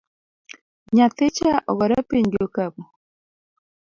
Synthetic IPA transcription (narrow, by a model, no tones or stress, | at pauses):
ɲat̪ɪt͡ʃaʔɔɡɔɾapiɲɡɪokabo